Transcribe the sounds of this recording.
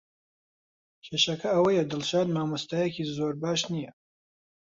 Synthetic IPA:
kʲʰeːʃɐkʰɐɐwɐjɛd̪ɨlʃaːd̪maːmɐst̪aːjekiːzoːɾbaːʃnijɐ

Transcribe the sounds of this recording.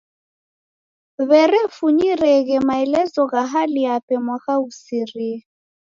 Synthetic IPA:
βɛrɛfuɲirɛɣ̬ɛmaɛlɛt͡sɔɣaɦalɪapʼɛmwaχausiriː

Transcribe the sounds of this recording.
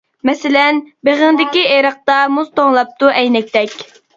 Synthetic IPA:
mɛsɪlɛnbeʁəŋd̪ɪkʲieɾəq̚t̪ɑmuz̥t̪oŋlˠɑp̚t̪uʔɛjnɛk̚ʲt̪ɛkʲ

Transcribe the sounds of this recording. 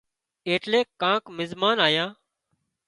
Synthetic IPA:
eːʈleːkːãːkmɪzmaːnaːjãː

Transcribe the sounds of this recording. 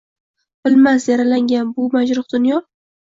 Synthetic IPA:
b̥ɪlmasjaɾalaŋɡʲanbʊmad͡ʒɾʊχd̪̥ʊnjɒ

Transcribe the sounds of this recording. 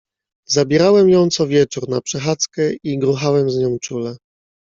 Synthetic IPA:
zabʲjɛɾawɛmjɔ̃w̃t̪sɔvʲjɛt͡ʂuɾnapʂɛxat̪skɛiɡɾuxawɛmzɲɔ̃w̃t͡ʂulɛ

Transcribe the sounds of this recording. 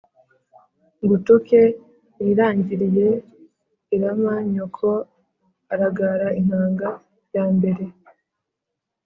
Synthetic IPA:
ŋɡutoke | niɾaːɲɟiɾije̞ | iɾamaɲokʰo | aɾaɡaɾaiŋ̥aːŋɡa | jaːmbe̞ɾe̞

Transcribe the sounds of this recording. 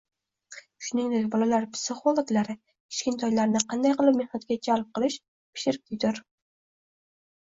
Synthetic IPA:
ʃʊnɪŋd̪ek̚ʲbɒlalaɾpʰɪ̥sɪχolˠoɡlaɾɪ | kɪ̥ʃkʲɪnt̪ʰɒjlaɾnɪqʰɑnd̪ajqɨlˠɪp̚mehnat̪ɡʲad͡ʒalˠp̚qɨlˠɪʃ | pʰɪ̥ʃɪɾ̚t̪ʰʲɪd̪ɪɾ

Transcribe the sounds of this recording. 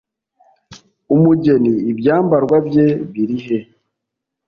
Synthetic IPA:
umuɟe̞niːbjaːmbaɾɡwabje̞βiɾiɦe̞

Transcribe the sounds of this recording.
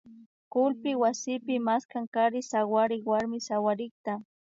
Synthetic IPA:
kʊlpɪwasɪpɪmaskaŋkaɾɪsawaɾɪkwaɾmɪsawaɾɪk̚t̪a

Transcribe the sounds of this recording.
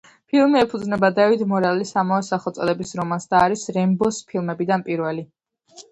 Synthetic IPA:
pʰilˠmiɛpʰud̪znɛbad̪avid̪mɔɾalisamavɛsaχɔt̪sʼɔlɛbisɾɔmansd̪aːɾisɾɛmbɔspʰilˠmɛbid̪anpʼiɾwɛli

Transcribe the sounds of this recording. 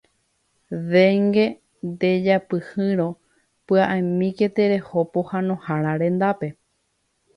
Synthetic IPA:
ʋeŋɡe̞ | nd̪e̞d͡ʒapɨhɨ̃ɾo̞ | pɨaʔamĩke̞t̪e̞ɾe̞hopohãnõ̞haɾaɾẽ̞nd̪ape̞

